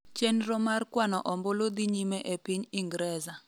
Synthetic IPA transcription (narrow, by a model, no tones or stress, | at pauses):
t͡ʃenɾɔmarkwanɔʔɔmbɔlod̪iɲimɛʔepiɲiŋɡɾɛza